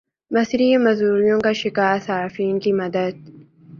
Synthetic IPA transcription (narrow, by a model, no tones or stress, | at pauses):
mɐsɾiemɐzuːɾijõːkaʃɪkaːsaːɾfiːnkimɐd̪əd̪̚